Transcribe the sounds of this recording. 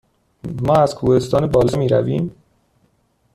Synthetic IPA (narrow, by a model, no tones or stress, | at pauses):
mɒːæzkʰuːhe̞st̪ɒːnebɒːlɒmiːɾæ̰viːm